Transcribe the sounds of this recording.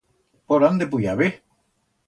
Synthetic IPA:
poɾand̪ep̬ujaβe

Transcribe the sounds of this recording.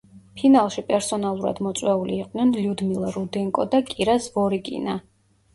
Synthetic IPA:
pʰinalˠʃipʼɛɾsɔnalˠuɾa̰d̪mɔt̪sʼwɛuliːqʼnɛnljud̪milˠaɾud̪ɛŋkʼɔd̪akʼiɾasvɔɾikʼḭna

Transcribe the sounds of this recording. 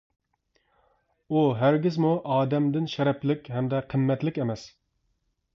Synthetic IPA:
uɦæɾɡʲɪzmuʔɑːd̪ɛmd̪ɪnʃɛɾɛplɪkʲhɛmd̪ɛqʰəmːɛt̪lɪkʲemɛs

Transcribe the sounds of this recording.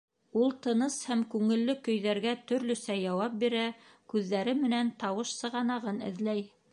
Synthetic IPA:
ulˠt̪ɤ̆nɤshæmkʉŋɘ̆lːɵkɵ̆jðæɾɡæt̪ɵ̆ɾlɵ̆sæjɑwɑp̚biɾæ | kʉðːæɾɘmɘ̆nænt̪ɑwɤʃsɤ̆ʁɑnɑʁɤnɘ̰̆ðlæj

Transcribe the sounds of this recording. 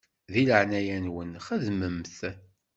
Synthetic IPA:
ðiləʕnæjænwənχəðməmθ

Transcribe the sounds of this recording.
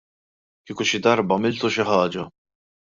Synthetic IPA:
kiːkuʃɪd̪ɐɾbɐmɪlt̪uʃɪħɐːd͡ʒɐ

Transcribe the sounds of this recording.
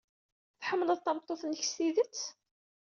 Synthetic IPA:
θħəmːləðˤt̪ːɑmt̪ˤːoθnəç̥stiðət͡s

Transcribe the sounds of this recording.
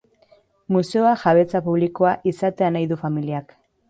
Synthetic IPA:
muse̞oaʝaβe̞t͡sapuβliko̞aʔisat̪e̞anajðufamiliak

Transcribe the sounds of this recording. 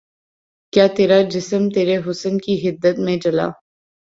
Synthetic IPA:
kjaːt̪eːɾad͡ʒɪsəmt̪eːɾeɦʊsənkiɦɪd̪ːət̪mẽd͡ʒɐla̰ː

